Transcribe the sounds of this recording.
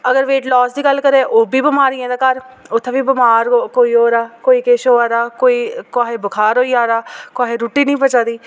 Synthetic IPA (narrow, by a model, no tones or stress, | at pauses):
əɡəɾʋeːʈlɔːsd̪iːɡəlːkəɾeːʔoːbiːbəmaːɾiẽːd̪aːkəɾʊt̪ʰːẽːbiːbəmaːɾkoːiːoːɾaːkoːiːkeːʃoːaːɾaːkoːiːkaːɦeːbəkʰaːɾoːiːaːɾaːkoaːɦeːɾuːʈiːnĩːpət͡ʃaːd̪iː